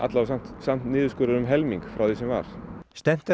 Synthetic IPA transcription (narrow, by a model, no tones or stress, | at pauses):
ʔa̰t̪lawsam̥t̪sam̥t̪nɪːðʏskʏɾʏɾʏmɦɛlmiŋkfɾawθisɛmva̰ɾ̥st̪ɛm̥t̪ɪ